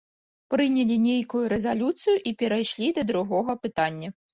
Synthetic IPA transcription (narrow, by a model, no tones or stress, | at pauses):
pɾɨnʲɛlʲinʲejkujuɾɛzalʲut̪sɨjuʔipʲɛɾajʂlʲid̪ɐd̪ɾuɣɔɣɐpɨt̪anʲːɐ